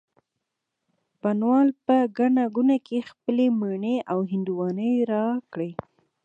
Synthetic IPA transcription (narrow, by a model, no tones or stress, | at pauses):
panwɑlpəɡaɳaɡunakexpəleməɳeʔawɦɪnd̪uwɑnəjɾɑkɽe